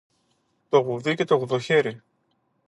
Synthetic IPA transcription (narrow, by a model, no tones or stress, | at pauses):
t̪o̞ɣuðice̞t̪o̞ɣuðo̞çe̞ɾi